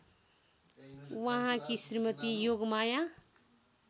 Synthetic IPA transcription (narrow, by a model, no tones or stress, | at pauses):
ʋəɦãkisɾimət̪ijoɡmajã